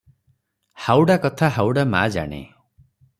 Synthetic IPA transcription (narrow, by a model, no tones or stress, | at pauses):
hawɽakɔt̪ʰaɦawɽama̰d͡ʒa̰ɽ̃ḛ